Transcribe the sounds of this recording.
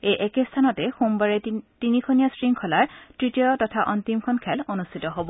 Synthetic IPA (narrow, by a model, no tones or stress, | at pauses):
ejʔɛkestʰanɔtɛxumbaɹɛtinikʰonijasɹiŋkʰɔlaɹtɹitijɔtɔtʰaʔɔntimkʰɔnkʰɛlonustʰitɔɦobɔ